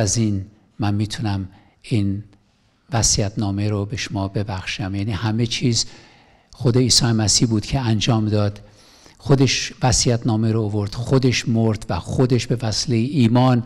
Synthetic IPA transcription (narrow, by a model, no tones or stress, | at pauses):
æzin | mænmiːt̪ʰunæm | in | væsijæt̪ʰnɒːme̞ɾobe̞ʃomɒːbe̞bæxʃæmjæːnihæme̞t͡ʃʰiːz | xo̞d̪e̞iːsɒːjemæsiːhbuːd̪̥cʰe̞ænd͡ʒɒːmd̪ɒːd̪̥ | xod̪e̞ʃvæsijæt̪ʰnɒːmeɾoːvo̞ɾd̪̥xod̪e̞ʃmo̞ɾd̪̥væxo̞d̪e̞ʃbe̞væsilejeiːmɒːn